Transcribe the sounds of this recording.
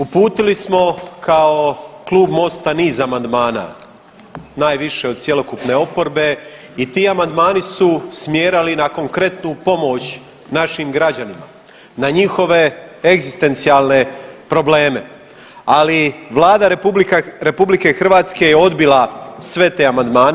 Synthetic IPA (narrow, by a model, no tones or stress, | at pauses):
upuːt̪ilismo̞kʰao̞klˠuːbmo̞st̪aniːzamand̪maːna̰ | naːjʋiʃe̞od̪̚t̪sjelo̞kupne̞o̞po̞ɾbe̞ | it̪iːamand̪maːnisusmjeːɾalinako̞ŋkɾe̞t̪nupo̞mo̞t͡ɕ | naʃimɡɾad͡ʑanima̰ | naɲixo̞ʋe̞eɡzist̪e̞nt̪sialˠne̞pɾo̞ble̞ːme̞ | aliʋlˠaːd̪aɾbiɾe̞publike̞xr̩ʋaːt̪ske̞jeo̞d̪bilasʋe̞t̪e̞ːamand̪maːn